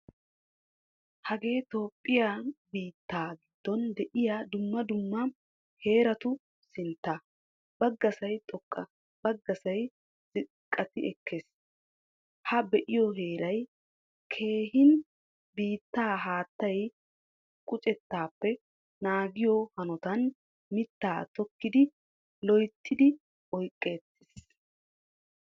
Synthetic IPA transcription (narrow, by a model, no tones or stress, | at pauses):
hɐɡe̞ːt̪o̞ːpʼːɪjaːbiːt̪ːaːɡɪd̪ːɔnd̪ɛʔɪjad̪ʊmːɐd̪ʊmːɐ | he̞ːɾɐt̪ʊ | sɪnt̪ːa | bɐɡːɐsɐjt̪ʼɔkʼːɐ | bɐɡːɐsɐj | z̥ɪ | kʼːɐt̪ɪɛkʰːeːs | hɐbɛʔɪjɔɦe̞ːɾɐj | kʰe̞ːhɪn | biːt̪ːaːɦaːt̪ːɐj | kʼʊt͡ʃʼɛt̪ːaːpːɛ | naːɡɪjɔhɐnɔt̪ɐn | mɪt̪ːaːt̪ɔkːɪd̪ɪ | lɔjt̪ʰːɪd̪ɪ | ʔɔjkʼːe̞ːt̪ːɪs